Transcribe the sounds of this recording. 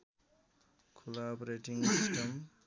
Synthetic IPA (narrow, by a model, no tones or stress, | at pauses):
kʰulapɾeʈiŋsisʈəm